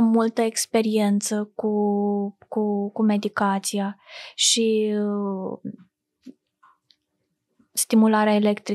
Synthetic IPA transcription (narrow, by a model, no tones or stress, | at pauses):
mult̪əekspe̞ɾie̞nt̪səku | kukume̞d̪ikat̪siaʃi | st̪imulaɾeaele̞kt̪ɾi